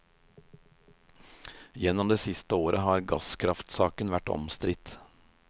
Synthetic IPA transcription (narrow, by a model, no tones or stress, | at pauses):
jɛnɔmd̪eːsɪst̪əoːɾʔəɦɑːɾɡɑskʰɾɑft̪sɑːkənʋæʈɔ̰mst̪ɾɪt̪